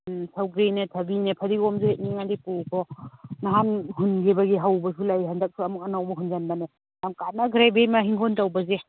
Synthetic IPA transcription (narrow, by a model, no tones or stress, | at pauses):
sʰawɡɾinetʰɐbinepʰadiɡɔmzehet̚niŋandipukʰɔnaɦanhunɡebaɡiɦawbɐsulajɦandak̚suɐmuk̚anawmaɦunzanbane | jamkanaɡɾebemaɦiŋkʰɔntawbaze